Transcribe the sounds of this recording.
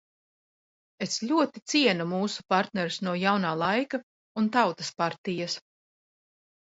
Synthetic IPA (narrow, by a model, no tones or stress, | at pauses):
eslʲuɔt̪it̪siɛnumuːsu̥paɾt̪nɛɾusnuɔjawnaːlˠajka | unt̪awt̪aspaɾt̪ijas